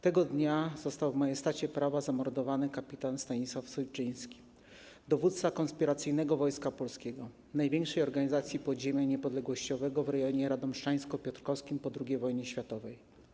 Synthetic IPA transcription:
t̪ɛɡɔd̪ɲazɔst̪awvmajɛst̪at͡ɕɛpɾavazamɔɾd̪ɔvanɘkapʲit̪anst̪aɲiswafsɔjt͡ʂɘj̃skʲi̥ | d̪ɔvut̪t̪sakɔnspʲiɾat̪sɘjnɛɡɔvɔjskapɔlskʲɛɡɔ | najvʲjɛŋkʂɛjɔɾɡaɲizat̪sʲjipɔd̪ʑemʲjaɲɛpɔd̪lɛɡwɔɕt͡ɕɔvɛɡɔvɾɛjɔɲɛɾad̪ɔmʂt͡ʂaj̃skɔpʲɔt̪ɾkɔfskʲimpɔd̪ɾuɡʲejvɔjɲɛɕfʲjat̪ɔvɛj

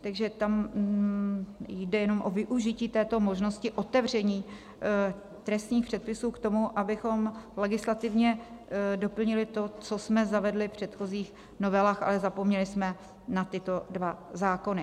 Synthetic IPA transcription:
t̪aɡʒɛt̪am | jdɛjɛno̞mʔo̞vɪʔuʒɪciːt̪ɛːt̪o̞mo̞ʒno̞scɪʔo̞t̪ɛvr̝ɛɲiː | t̪ɾɛst̪ɲiːxpr̥ɛt̪̚pɪsuːkt̪o̞muʔabɪxo̞mlɛɡɪslat̪ɪvɲɛdo̞pl̩ɲɪlɪt̪o̞t͡so̞smɛzavɛdlɪfpr̝̥ɛt̪xo̞ziːx | no̞vɛlaːxʔa̰lɛzapo̞mɲɛlɪsmɛ | nat̪ɪt̪o̞dvazaːko̞nɪ

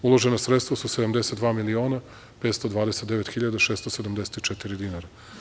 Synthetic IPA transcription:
ulˠoʒenasɾet̪st̪ʋasused̪amd̪e̞set̪d̪vaːmilioːna | peːt̪st̪od̪ʋaːd̪eset̪d̪eʋet̪xiʎad̪aʃest̪osed̪amd̪eset̪it͡ʃet̪iɾid̪inaɾa

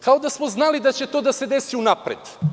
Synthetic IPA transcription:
kao̞d̪asmoznalid̪at͡ɕe̞t̪o̞ːd̪ase̞d̪esiunapɾed̪

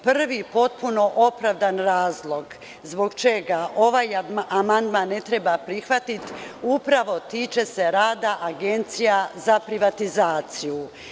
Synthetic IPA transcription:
pr̩ʋipo̞t̪̚puno̞ʔo̞pɾaʋd̪anɾaːzlˠo̞ɡ | zbo̞ɡt͡ʃe̞ɡaʔo̞ʋajamand̪manːe̞t̪ɾebapɾixʋat̪it̪upɾaʋo̞t̪iːt͡ʃe̞se̞ɾaːd̪aʔaɡe̞nt̪sijazapɾiʋat̪izaːt̪siju

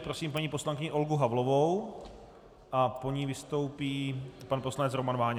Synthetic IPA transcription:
pɾosiːmpaɲiːpo̞slaŋkɪɲɪʔo̞lɡuɦavlovow | ʔapo̞ɲivɪst̪o̞wpiːpanpo̞slanɛt͡sɾomanvaːɲ

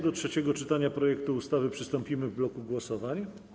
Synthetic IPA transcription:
d̪ɔtʂɛt͡ɕɛɡɔt͡ʂɘt̪aɲapɾɔjɛkt̪uːst̪avɘpʂɘst̪ɔmpʲimɘvblɔkuɡwɔsɔvaɲ

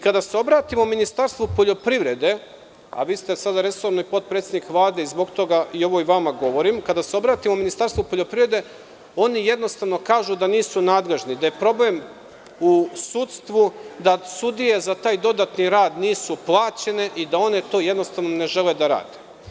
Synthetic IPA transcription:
ikad̪aseo̞bɾaːt̪imominist̪aɾst̪ʋupo̞ʎo̞pɾiʋɾe̞d̪e̞ | a̰ʋist̪esad̪aɾe̞so̞ɾnoipo̞t̪̚pɾet̪sed̪nikʋlˠaːd̪e̞izbo̞ɡt̪o̞ɡaio̞ʋo̞iʋamaɡo̞ʋo̞ɾimkad̪aseo̞bɾaːt̪imominist̪aɾst̪ʋupo̞ʎo̞pɾiʋɾed̪e̞ | o̞nije̞d̪no̞st̪aʋno̞kaːʒud̪aniːsunaːd̪le̞ʒnid̪aje̞pɾo̞ble̞m | usut̪st̪ʋud̪asud̪ije̞zat̪aːjd̪o̞d̪at̪niɾaːd̪niːsuplˠaːt͡ɕe̞ne̞ʔid̪ao̞ne̞t̪o̞ːje̞d̪no̞st̪aʋnone̞ʒe̞le̞d̪aɾa̰ːd̪e̥

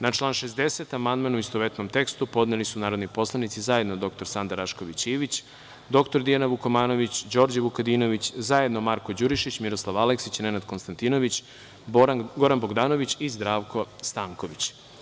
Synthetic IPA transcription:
nat͡ʃlˠaːnʃezd̪e̞set̪amand̪manuist̪o̞ʋet̪no̞mt̪e̞kst̪upo̞d̪nelisunaːɾod̪nipo̞slˠanit̪sizajed̪nod̪o̞k̚t̪o̞ɾsand̪aɾaʃko̞ʋit͡ɕiːʋit͡ɕ | d̪o̞kt̪o̞ɾd̪ijanaʋukomaːno̞ʋit͡ɕd͡ʑo̞ɾd͡ʑaʋukad̪ino̞ʋit͡ɕzajed̪no̞maɾko̞d͡ʑuɾiʃit͡ɕmiɾo̞slˠaʋaleksit͡ɕne̞nad̪ko̞nst̪ant̪ino̞ʋit͡ɕ | ɡo̞ɾanboɡd̪aːno̞ʋit͡ɕizd̪ɾaːʋkʰo̞st̪aːŋko̞ʋit͡ɕ

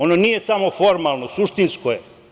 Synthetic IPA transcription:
ononije̞samo̞fo̞ɾmalˠno̞suʂt̪inskoje

